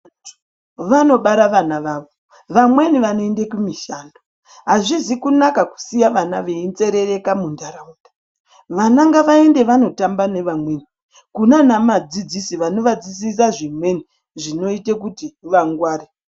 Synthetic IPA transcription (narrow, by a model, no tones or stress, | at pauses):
ʋano̞ɓaɾaʋanaʋaʋo | ʋamwe̞niʋanoendekumiʃando | ɦaʐizikunakaku̥sijaʋanaʋeint͡se̞ɾe̞re̞kamundaɾaudḁ | ʋanaŋɡaʋaende̞ʋano̞tambane̞ʋamwe̞ni | kunanamad͡zid͡zisiʋano̞ʋad͡zisis̬aʐimwe̞ni | ʐino̞itekutiʋaŋɡwaːɾe